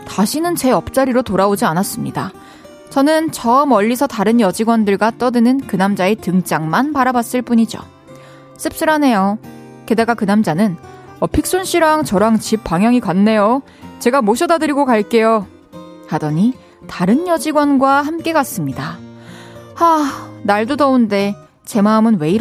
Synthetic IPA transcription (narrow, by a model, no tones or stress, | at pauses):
taɕʰinɯnt͡ɕe̞ʌp̚t͡ɕ͈aɾiɾotoɾaod͡ʑianas͈ɯmɲida | t͡ɕʌnɯnt͡ɕʰʌmʌʎːisʰʌtaɾɯnjʌd͡ʑiɡwʌndɯɭɡwat͈ʌdɯnɯnkɯnamd͡ʑaetɯŋt͡ɕ͈aŋmanpaɾabas͈ɯɭp͈uɲid͡ʑo̰ | s͈ɯp̚s͈ɯɾane̞jo | ke̞daɡakɯnamd͡ʑanɯnʌpʰik̚s͈unɕ͈ʰiɾaŋt͡ɕʌɾaŋt͡ɕip̚p͈ːaŋjʌŋikwanːe̞jo | t͡ɕe̞ɡamoɕʰʌdadɯɾiɡokaɭk͈e̞jo | hadʌɲi | taɾɯnjʌd͡ʑiɡwʌnɡwaɦamk͈e̞kas͈ɯmɲida | anaɭdodʌunde̞ | t͡ɕe̞maɯmɯnwe̞iɾ